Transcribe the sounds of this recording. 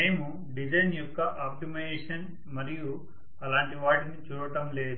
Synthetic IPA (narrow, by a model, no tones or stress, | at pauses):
me̞ːmu | ɖid͡ʒɐjnjɔkːɐʔaːp̚ʈimeːʂɐn | mɐɾiju | ɐlaːɳʈiʋaːʈinit͡ʃuːɾɐʈɐmle̞ːd̪u